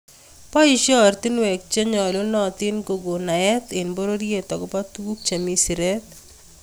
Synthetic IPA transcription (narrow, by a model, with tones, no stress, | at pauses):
pɔ˦iʃɔ˦ɾt̪i˦nwɛ˨k̚t͡ʃe˦ɲɔ˨lo˦nɔ˨t̪ɪ˦nko˨ɡo˨na˨ɛ˦t̪ɪnbo˦ɾo˦ɾie˨t̪ɔ˨ɡɔpa˦t̪uu˦k̚t͡ʃa˨mi˦si˨ɾɛt̪̚